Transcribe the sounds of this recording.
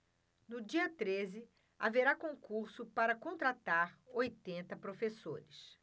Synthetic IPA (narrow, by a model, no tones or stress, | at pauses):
nʊd͡ʒiɐt̪ɾezɪ | aveɾakõŋkuɾsʊpaɾɐkõnt̪ɾat̪aɾojt̪ẽnt̪ɐpɾofesoɾɪs